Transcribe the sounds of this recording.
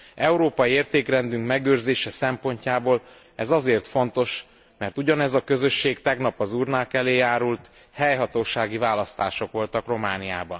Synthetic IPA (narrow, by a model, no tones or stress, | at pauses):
ɛuɾoːpɒjieːrt̪eːkrɛnd̪yŋkmɛɡøːrzeːʃɛsɛmpo̞ɲcaːboːl | ɛzɒzeːrt̪fo̞nt̪o̞ʃ | mɛrt̪uɟɒnɛzɒkø̞zø̞ʃːeːɡt̪ɛɡnɒpɒzuːrnaːkɛleːjaːɾult̪ | hɛjɦɒt̪oːʃaːɡivaːlɒst̪aːʃo̞kʋo̞lt̪ɒkro̞maːnija̰ːbɒn